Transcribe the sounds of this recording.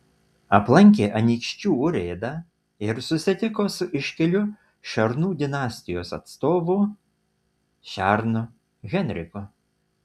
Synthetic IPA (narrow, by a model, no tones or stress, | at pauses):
ɐplˠɐŋʲkʲeːʔɐnʲiːkʃʲt͡ʃʲuːʊɾʲeːd̪ɐ | ɪɾsʊsʲɪt̪ʲɪkoːsʊʔɪʃʲkʲɛlʲʊ | ʃɐɾnuːd̪ʲɪnɑːsʲt̪ʲɪjoːsɐ̰t̪st̪oːʋʊ | ʃʲæːˑɾnʊ | ɣʲɛnʲɾʲɪkʊ